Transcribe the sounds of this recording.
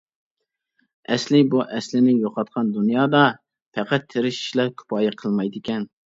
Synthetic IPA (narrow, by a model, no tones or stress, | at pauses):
ɛslɪbuʔɛslɪnɪjoqʰɑt̪̚qʰɑnd̪unjɑːd̪ɑ | pʰɛqæt̪ʰːeɾɪʃi̥ʃlɛɾkʲʰy̥pɑːjɛqʰəlˠmɑjd̪ɪkʲɛn